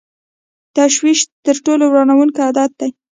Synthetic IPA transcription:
t̪aʃwiʃt̪əɾʈolowɾɑnawunkad̪ɑt̪̚d̪aj

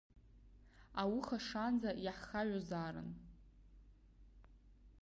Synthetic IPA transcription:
awʊχaʂand͡zajaħχaʕʷazaːɾɨ̰n

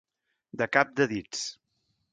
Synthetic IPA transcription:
d̪əkap̚d̪əðit͡s

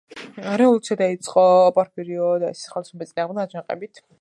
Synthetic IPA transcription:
ɾɛulˠt̪t͡ʃ̪sʰɛd̪ait̪sʼqʼɔpʼɔɾpʰiɾiɔd̪aɛsi̥χɛlisɛbɛt̪sʼinaːʁmd̪ad͡ʒaqʼɛ̰bit̪ʰ

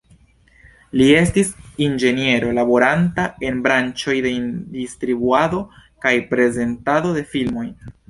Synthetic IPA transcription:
lie̞stisind͡ʒe̞nie̞ɾo̞labo̞ɾantae̞nbɾant͡ʃo̞jde̞ndistɾibuado̞kajpɾe̞ze̞ntado̞de̞filmo̞j

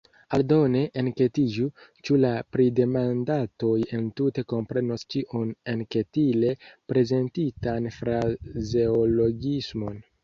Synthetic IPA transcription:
aldo̞ne̞ʔːnke̞tid͡ʒut͡ʃulapɾide̞mandato̞je̞ntute̞ko̞mpɾe̞nost͡ʃiʔonenke̞tile̞pɾe̞ze̞ntitanfɾaze̞olo̞ɡismo̞n

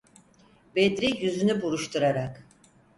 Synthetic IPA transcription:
bed̪ɾijyzynybuɾuʃt̪ʰuɾaɾak

